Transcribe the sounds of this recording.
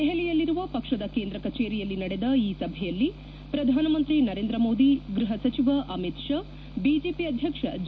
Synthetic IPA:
eɦɛlɛjɐlːiɾuʋɐpɐkʂɐd̪ɐkeːnd̪ɾɐkɐt͡ʃeːɾijɐlːinɐɽed̪ɐiːsɐbʱɛjɐlːi | pɾɐd̪ʱaːnɐmɐnt̪ɾinɐɾeːnd̪ɾɐmoːd̪iɡɾuɦɐsɐt͡ʃiʋɐʔɐmit̪ʂɐ | biːd͡ʒeːpiɐd̪ʱjɐkʂɐd͡ʒ

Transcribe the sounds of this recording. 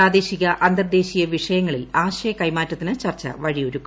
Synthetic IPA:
aːd̪e̞ːɕiɣɐʔɐnd̪ɐrd̪e̞ːɕijɐʋiʂɐjɐŋːɐɭilaːɕɐjɐkɐjmaːtːɐt̪ːinɨt͡ɕɐrt͡ɕːɐ̰ʋɐɻioɾukkːu

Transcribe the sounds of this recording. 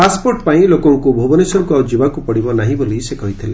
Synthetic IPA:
paspoɾʈpaĩlokɔŋkubʱobɔnesɔɾkuad͡ʒibakupɔɽibɔnaɦĩbolisekɔɦit̪ʰile

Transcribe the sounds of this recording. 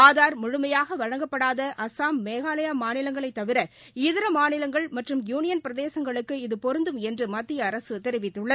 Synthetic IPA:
aːðaːɾmʊɻʊmɐjaːɣɐʋɐɻɐŋɡɐpːɐɽaːðɐʔɐsaːmːeːɣaːlɐjaːmaːnɪlɐŋɡɐɭɐɪt̪ːɐʋɪɾɐ | ɪðɪɾɐmaːnɪlɐŋɡɐɭmɐʈrɯmjuːnɪjɐnpɪɾɐðeːsɐŋɡɐɭɯkːɯɪðɯpɔɾɯnd̪ɯmɛndrɯmɐt̪ːɪjɐːɾɐsɯt̪ɛɾɪʋɪt̪ːɯɭːɐ

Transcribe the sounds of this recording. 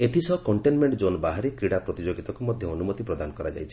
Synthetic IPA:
et̪ʰisɔkɔɳʈenmeɳʈd͡ʒonbaɦaɾikɾiɽapɾɔt̪id͡ʒoɡit̪ɔkumɔd̪ʱjɔːnumɔt̪ipɾɔd̪anɔkɔɾad͡ʒa̰jt͡ʃʰi̥

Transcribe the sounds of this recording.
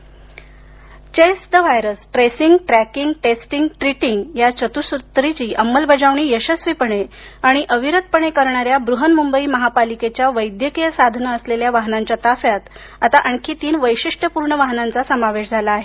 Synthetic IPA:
t͡ɕesd̪əʋajɾəsʈɾesiŋɡʈɾækiŋɡʈesʈiŋɡʈɾiʈiŋɡjat͡ɕət̪usut̪ɾit͡ɕiːʔəmːəlbəd͡zaʋɳ̃iːjəɕəsʋipəɳ̃e | aɽ̃iʔəʋiɾət̪̚pəɳekəɾɳaɾjabɾuɦənmumbəiːməɦapaliket͡ɕjaʋəjd̪jəkijəsad̪ʱnəːsleljaʋaɦnaɲt͡ɕat̪afjat̪ | at̪aʔəɳkiːt̪iːnʋəjɕiʂʈəpuɾɳəʋaɦnant͡sasəmaʋeɕd͡zʱalaːɦe

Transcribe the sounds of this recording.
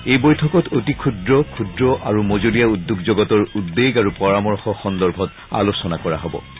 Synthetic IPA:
ejbojtʰɔkɔtotikʰudɹɔkʰudɹɔʔaɹumozolijaudːuɡzoɡɔtɔɹudːeɡaɹupɔɹamɔɹxɔxɔndɔɹbʱɔt | a̰losɔnakɔɹa̰ɦɔbɔ̰

